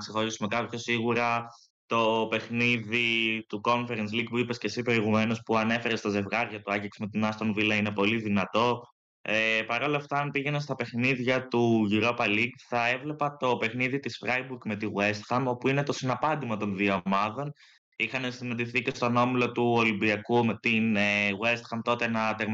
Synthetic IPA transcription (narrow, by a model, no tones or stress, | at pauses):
kse̞xo̞ɾisume̞kɐpço̞siɣuɾɐ | t̪o̞pe̞xniðit̪uko̞ɱfe̞ɾens̬liɡpuipe̞sce̞sipɾo̞iɣume̞no̞spuɐne̞fe̞ɾest̪ɐze̞vɣɐɾʝɐt̪uɐʝiksmet̪inɐst̪onvilɐine̞po̞liðinɐt̪o̞ | epɐɾo̞lɐft̪ɐɐmpiʝe̞nɐst̪ɐpe̞xniðʝɐt̪uʝiɾo̞pɐliɡθɐe̞vle̞pɐt̪o̞pe̞xniðit̪isfɾɐjbuɾkme̞t̪iɣwe̞st̪xɐmo̞puine̞t̪o̞sinɐpɐnd̪imɐt̪o̞nðiɐomɐðo̞n | ixɐnesinɐnd̪iθice̞st̪o̞no̞milot̪uolimbiɐkumet̪ineɣwe̞st̪xɐmt̪o̞t̪enɐt̪eɾm